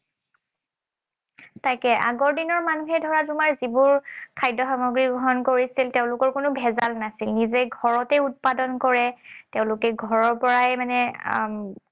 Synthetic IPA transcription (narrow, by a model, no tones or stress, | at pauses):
tajkɛʔa̰ɡɔɹdinɔɹmanuɦɛdʱɔɹatumaɹzibʊɹkʰajdɔxamoɡɹiɡɹɔɦɔnkoɹisilteʊ̃lʊkɔɹkʊnʊbʱɛzalnasilnizɛɡʱɔɹɔtɛut̚padɔnkɔɹɛteʊ̃lʊkɛɡʱɔɹɔɹpɔɹajmanɛ